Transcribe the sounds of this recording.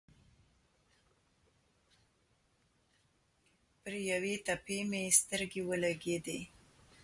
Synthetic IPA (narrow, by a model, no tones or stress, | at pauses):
pəɾjawet̪apemest̪əɾɡewəlaɡed̪e